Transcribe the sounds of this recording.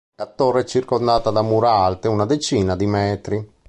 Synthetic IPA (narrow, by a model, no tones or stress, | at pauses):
kat̪ːoɾɛt͡ʃːirkond̪aːt̪ad̪amːuɾalt̪eunad̪et͡ʃiːnad̪imɛːt̪ɾi